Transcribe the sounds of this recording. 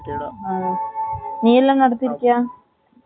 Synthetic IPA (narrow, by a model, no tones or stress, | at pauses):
aː | niːɐlːamnɐɽɐt̪ːiɾikʲːujaː